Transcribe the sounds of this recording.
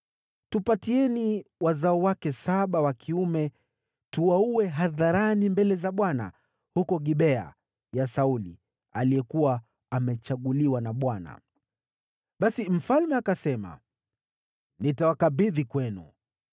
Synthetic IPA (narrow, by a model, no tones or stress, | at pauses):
tupatiɛniwazaɔwakɛsaɓawakʰiumɛ | tuwauɛɦaðaɾanimbɛlɛzaɓwana̰ | hukɔɠiɓɛa̰ | jasaulḭ | alijɛkuwaː | mɛt͡ʃaɠuliwanaɓwana̰ | ɓasim̩falmɛakasɛma̰ | nitawakaɓiðikwɛnṵ